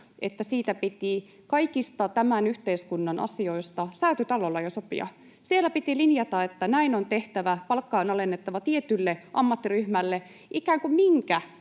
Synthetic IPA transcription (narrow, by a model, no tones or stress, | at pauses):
et̪ːæsiːt̪æpit̪i | kɑikist̪ɑt̪æmænyht̪eiskunːɑnʔɑ̰sio̞ist̪ɑsæyt̪yt̪ɑlolːɑjosopḭɑ̰ | sielːˑæpit̪ilinjɑt̪ɑet̪ːænæinont̪eht̪æʋæpɑlkːɑːnɑlenːet̪ːɑʋɑt̪iet̪ylːeʔɑmːɑt̪ːiryhmælːe | ʔikæːŋkummiŋkæ